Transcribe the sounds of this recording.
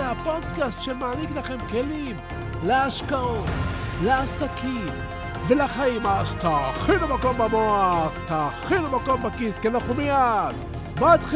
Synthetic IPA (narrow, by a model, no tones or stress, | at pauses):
apo̞d̪kast̪ʃemaːniklaχe̞mke̞lim | leaʃkaot̪leasakʰim | velaχaimaʃt̪aχilumako̞mbamoaχt̪aχilumako̞mbakiskenaχumijad | mat̪χ